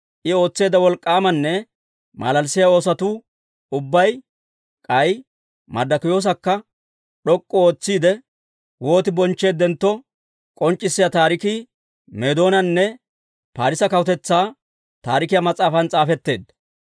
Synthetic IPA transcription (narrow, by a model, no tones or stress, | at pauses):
ʔɪo̞ːt͡sːe̞ːd̪ɐwɔlkʼːaːmɐnːɛ | mɐ̰lɐlsɪjɐo̞ːsɐt̪uː | ʊbːɐj | kʼɐj | mɐ̰d̪ɐkʊjo̞ːs̬ɐkːɐ | ɗɔkʼːɔo̞ːt͡sːiːd̪ɛ | wo̞ːt̪ɪbɔnt͡ʃːe̞ːd̪ːɛnt̪ːɔ | kʼɔnt͡ʃʼːɪsːɪjat̪aːɾɪkiː | meːd̪o̞ːnɐnːɛ | paːɾɪsɐkɐwʊt̪ɛt͡sːaː | t̪aːɾɪkɪjɐmɐt͡sʼaːfɐnt͡sʼaːfɛt̪ːe̞ːd̪ɐ